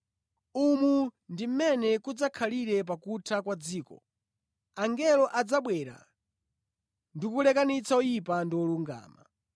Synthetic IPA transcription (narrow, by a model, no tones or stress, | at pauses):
umundim̩mɛnɛkud͡zakʰaliɾɛpakutʰakwad͡ziːkɔ̰ | aŋɡɛlɔʔad͡zaɓwɛɾa̰ | ndikulɛkanit͡saujipandiɔluŋɡa̰ːma